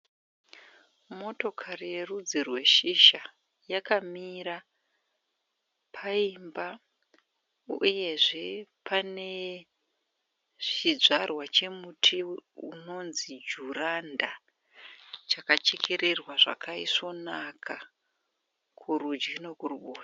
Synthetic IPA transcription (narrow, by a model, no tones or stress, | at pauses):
mo̞to̞kʰarije̞rud͡zirwe̞ʃiʃa | jakamiɾa | pʰaimba | uje̞ʐe̞pane̞ | ʐid͡zarwat͡ʃe̞mutʰiṵno̞nzid͡ʒuranda | t͡ʃakat͡ʃekʰeɾerwaʐa̰kʰaiso̞nakʰa | kʰuɾud͡ʒɡino̞kuruɓoːta